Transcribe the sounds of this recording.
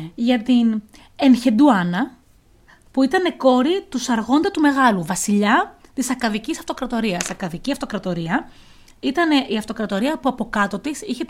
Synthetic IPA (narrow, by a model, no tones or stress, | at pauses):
ʝɐt̪in | e̞nçe̞d̪uɐnɐ | puit̪ɐne̞ko̞ɾit̪usɐɾɣo̞nd̪ɐt̪ume̞ɣɐluvɐsiʎɐt̪isɐkɐðicisɐft̪o̞kɾɐt̪o̞ɾiɐsɐkɐðiciɐft̪o̞kɾɐt̪o̞ɾiɐ | it̪ɐneʔiɐft̪o̞kɾɐt̪o̞ɾiɐpuɐpo̞kɐt̪o̞t̪isiçe